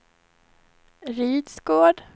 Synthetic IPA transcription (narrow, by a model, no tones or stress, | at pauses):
ɾiːd̪sɡoːɖ